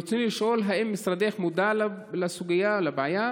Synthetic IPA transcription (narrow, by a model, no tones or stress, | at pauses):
sinlɪʃʔulɦaʔɪmːɪsɾˤɑd̪exmʊd̪alalasuɡɪjːalabʕaja